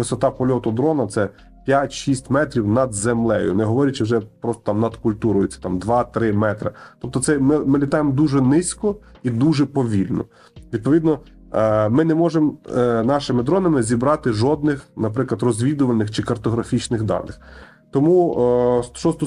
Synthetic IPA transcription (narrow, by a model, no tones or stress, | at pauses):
ʋɪsɔt̪ɑpɔlʲɔt̪ʊd̪ɾɔnɐt̪sɛ | pʲjatʲʃisʲtʲmɛt̪ɾʲiwnɐd̪zemlˠɛjʊ̰nɛɦɔʋɔɾʲɪt͡ʃɪwʒɛpɾɔst̪ɔ̥t̪ɑmnɐd̪kʊlʲt̪uɾʊjʊt͡sʲːɐ̥t̪ɑmd̪ʋɑt̪ɾɪmɛt̪ɾɐ̰t̪ɔp̚t̪ɔt̪sɛmɪmɪlʲit̪ɑjemd̪uʒɛnɪsʲkɔid̪uʒɛpɔʋʲilʲnɔ̰ | ʋʲid̪̚pɔʋʲid̪nɔ | mɪnɛmɔʒemnɑʃɪmɪd̪ɾɔnɐmɪzʲibɾɑt̪ɪʒɔd̪nɪxnɐpɾɪklˠɐd̪rɔzʲʋʲid̪ʊʋɐlʲnɪxt͡ʃɪkɐrt̪ɔɦɾɐfʲit͡ʃnɪxd̪ɑ̰nɪx | t̪ɔmu | ʃɔst̪ɔ